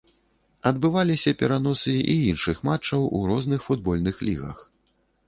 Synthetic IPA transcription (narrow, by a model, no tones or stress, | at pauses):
ɐd̪bɨvalʲisʲɐpʲɛɾan̪ɔsɨḭinʂɨxmat͡ʂːɐwʔṵɾɔznɨxfud̪̚bɔlʲnɨxlʲḭɣɐ̰x